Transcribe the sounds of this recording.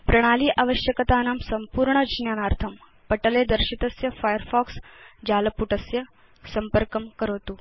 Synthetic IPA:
pɾɐɽ̃aːliːʔaʋəʃjəkɐt̪aːnaːmsɐmpuːɾɳəd͡ʒnjaːnaːɾt̪ʰɐm | pɐʈɐleːd̪ɐɾʃit̪ɐsjɐfaːjəɾfɔːksd͡ʒaːlɐpuʈɐsjɐ | sɐmpəɾkɐmkəɾoːt̪uː

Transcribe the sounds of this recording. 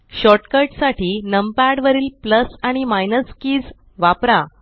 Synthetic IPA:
ɕɔʈkəɾʈsaʈʰiːnəmpaɽʋəɾiːlpləsaɽ̃imajnəskiːd͡z | ʋapɾa

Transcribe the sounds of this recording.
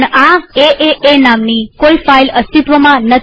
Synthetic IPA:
ɳaeʔeʔenamnikoifailəst̪it̪ʋəmãnət̪

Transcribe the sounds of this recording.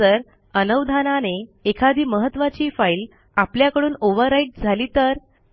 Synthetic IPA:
əɾ | ənəʋd̪ʱananeekʰad̪ʱiːməɦət̪ːʋat͡ɕiːfail | apljakəɽuːnoʋəɾːaiʈ̚d͡zʱaliːt̪əɾ

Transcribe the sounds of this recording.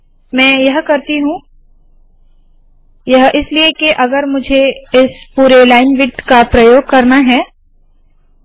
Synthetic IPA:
mɛ̃ːjɐɦkɐɾt̪iɦũː | jɐɦɪsliekeʔɐɡəɾmʊd͡ʒʱeɪspuːɾelaːɪnʋɪd̪kapɾɐjoːɡ̚kɐɾnaɦɛː

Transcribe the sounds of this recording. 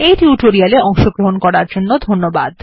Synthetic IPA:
ejʈiuʈoɾialeɔŋʃoɡɾoɦonkɔɽaɾd͡ʑonːod̪ʱonːobad̪

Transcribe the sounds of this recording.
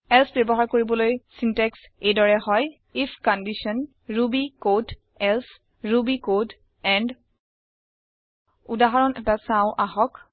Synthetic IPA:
ɛlsbɔbɔɦaɹkoɹibɔlojsintɛks | ejdɔɹɛɦɔj | ifʰkɔndisɔn | ɹubikod | ɛls | ɹubikod | ɛnd | udaɦaɹɔnʔɛtasãʊ̃ʔaɦɔk

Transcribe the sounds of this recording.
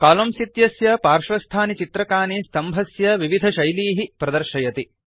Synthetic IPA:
kaːlɐmsit̪jɐsjɐpaːɾʃɾɐst̪ʰaːnit͡ʃit̪ɾɐkaːnist̪ɐmbʱɐsjɐʋiʋid̪ʱɐʃɐjliːɦipɾɐd̪ɐɾʃɐjɐt̪i

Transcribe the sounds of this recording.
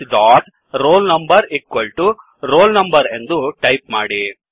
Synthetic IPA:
ɖaːʈ | ɾoːlnɐmbɐɾikːɐlʈu | ɾoːlnɐmbɐɾend̪uʈɐjp̚maːɽi

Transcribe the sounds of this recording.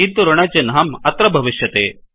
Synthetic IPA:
id̪uɾɐɳɐd͡ʒɐnɦɐmɐt̪ɾɐbʱɐʋiʃjɐt̪eː

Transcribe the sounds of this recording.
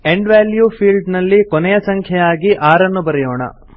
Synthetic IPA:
e̞ɳɖʋaːljupʰiːlɖnɐlːikonɛjɐsɐŋkʰjɐjaːɡiʔaːɾɐnːubɐɾɛjoːɳɐ̰

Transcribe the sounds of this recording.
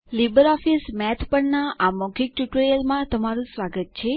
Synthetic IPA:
libəɾɔfismɛt̪ʰpəɳnaʔamɔɡʱik̚ʈuʈɾijəlmãt̪əmaɾũsʋaɡət̪̚t͡ʃʰe

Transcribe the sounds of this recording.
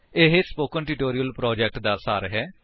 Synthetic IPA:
ɪɦespoːkənʈɪːʈoːɾijəlpɾɔːd͡ʒɛk̚ʈd̪aːsaːɾɦɛː

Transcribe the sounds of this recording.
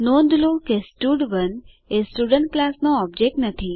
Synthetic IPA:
nõnd̪lukesʈuɖʋən | esʈuɖəɳʈ̚klasnoɔb̚d͡ʒek̚ʈnət̪ʰi

